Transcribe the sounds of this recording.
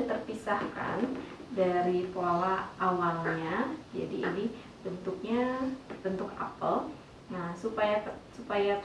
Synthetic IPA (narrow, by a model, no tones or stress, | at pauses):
t̪ərpisahka̰ndaɾipoalaʔawalɲad͡ʒa̰diḭni | bənt̪uk̚ɲabənt̪ʊka̰pəl | nasupajapsupaja